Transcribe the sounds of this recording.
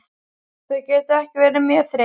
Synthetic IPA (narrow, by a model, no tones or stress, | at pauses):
θœɥcɛːt̪ɪɛhcɪvɛːɾɪmjœ̥ːθɾe